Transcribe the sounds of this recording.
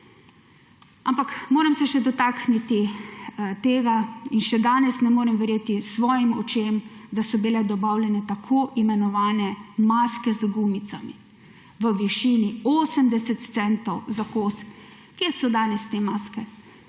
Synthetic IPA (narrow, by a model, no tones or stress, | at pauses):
ampakmoːɾɛmsɛʃɛd̪ɔt̪aːkʰnit̪i | t̪eːɡainʃɛd̪aːnɛsnɛmoːɾɛmʋɛɾjeːt̪isʋɔːjimɔt͡ʃemd̪asɔbilɛd̪ɔbaːwlʲɛnɛt̪akʰoːʔimɛnɔʋaːnɛmaːskɛzɡuːmit̪sami | ʋəʋiʃiːnioːsəmd̪ɛsɛt̪t̪sɛnt̪ɔwzakoːs | kesɔd̪aːnɛst̪eːmaːskɛ